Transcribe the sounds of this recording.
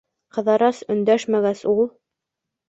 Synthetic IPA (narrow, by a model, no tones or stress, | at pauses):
qɤ̆ðɑɾɑsɵ̆nd̪æʃmæɡæsulˠ